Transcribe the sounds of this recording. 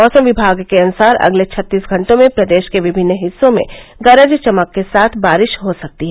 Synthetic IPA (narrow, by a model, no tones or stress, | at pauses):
ɔːsəmʋɪbʱaːɡkeɐnʊsaːɾɐ̰ɡlet͡ʃʰɐt̪ːiːsɡʱɐ̃ɳʈõmẽpɾɐd̪eːʃkeʋɪbʱɪnːɦɪsːõmḛ̃ɡɐɾəd͡ʒt͡ʃɐməkːesaːt̪ʰbaːɾɪʃɦosɐk̚t̪iɦɛ